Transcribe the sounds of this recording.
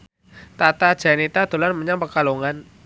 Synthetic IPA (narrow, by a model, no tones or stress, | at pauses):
t̪at̪ad̥ʒ̥a̤nit̪ad̪̥o̤lanməɲaŋpəkaloŋan